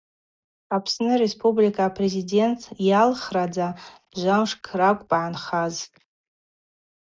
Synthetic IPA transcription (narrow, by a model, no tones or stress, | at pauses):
apʰsnɨɾe̞spʼublikʼaːpʰre̞zide̞ntʰjalχrad͡za | ʒʷamʂkʰrakʷʼpʼʕanχaztʼ